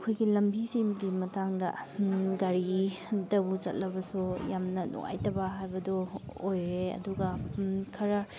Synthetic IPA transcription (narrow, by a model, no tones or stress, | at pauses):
kʰojɡilɐmbisimɡimɐtaŋdɐ̰ɡaɾidɐbuzɐ̰t̚lɐbɐsujamnɐnṵŋa̰jtɐbɐɦajbɐdɔojɾeɐ̰duɡɐkʰɐɾɐ